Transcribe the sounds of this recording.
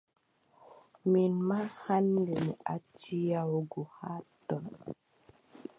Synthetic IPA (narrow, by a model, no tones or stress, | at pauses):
minmahandeniʔat͡ʃijawoɡuhatɔn